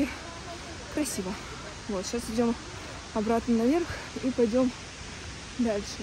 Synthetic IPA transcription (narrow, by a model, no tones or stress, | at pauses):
kɾɐsʲibə | vo̞t̪ɕasɪdʲo̞m | ɐbɾat̪nənɐvʲe̞rx | ipɐjdʲo̞m | d̪alʲʂɨ